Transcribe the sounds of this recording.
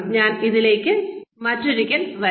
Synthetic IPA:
ɲaːniðile̞ːkːɨmɐtːuɾikʲːɐnʋɐ

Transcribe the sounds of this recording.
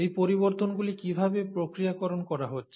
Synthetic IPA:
ejpoɾiboɾt̪onɡulikibʱabepɾokɾijakɔɾonkɔɾaɦotːɕʰ

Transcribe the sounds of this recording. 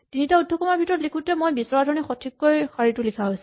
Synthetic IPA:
tinitaudʱːɔkɔmaɹbʱitɔɹɔtlikʰutɛmojbisɔɹadʱɔɹnixɔtʰikːojxaɹitʊlikʰaɦojs

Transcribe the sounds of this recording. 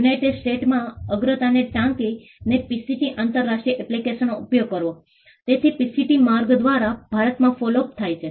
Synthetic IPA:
junaiʈeɖsʈeʈmãəɡɾət̪aneʈãŋki | nepisiʈiʔaːnt̪əɾːaʃʈɾiəʔɛplikeʃənoupjoɡ̚kəɾʋo | t̪et̪ʰipisiʈimaɾɡd̪ʋaɾab̥ʱaɾət̪mãfɔlop̚t̪ʰajt͡ʃʰe

